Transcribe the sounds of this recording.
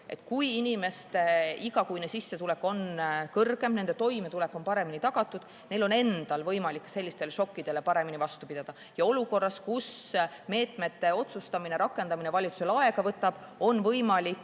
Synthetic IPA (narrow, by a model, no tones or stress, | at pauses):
ʔe̞̰t̪kujinime̞st̪eiɡɑkujnesisːe̞t̪ulekːo̞nkɤrɡ̥e̞mne̞nd̪̥e̞t̪o̞jme̞t̪ule̞kːˑo̞npɑɾe̞minit̪ɑɡ̥ɑt̪ˑːud̪̥ | ne̞jlo̞ne̞nd̪̥ɑlvɤjmɑlikːse̞lʲːist̪e̞leʃo̞kːid̪̥e̞le̞pɑɾe̞minivɑst̪upid̪ɑd̪̥ɑ | jɑo̞luko̞rːɑskusme̞ːt̪ˑme̞t̪ːe̞o̞t̪sust̪ɑmineɾɑkːˑe̞nd̪ɑminevɑlʲit̪su̥selɑe̞ɡ̥ɑvɤt̪ːˑɑb̥o̞nvɤjmɑlik